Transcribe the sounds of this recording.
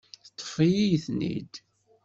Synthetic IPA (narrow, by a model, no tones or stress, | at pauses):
θt̪ˤːə̥fijijθnḭd̪